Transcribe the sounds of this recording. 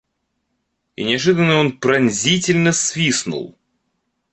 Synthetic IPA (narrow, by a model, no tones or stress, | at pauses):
ḭnʲɪɐʐɨd̪ənːəo̞npɾɐnʲzʲitʲɪlʲnəsvʲisnṵlˠ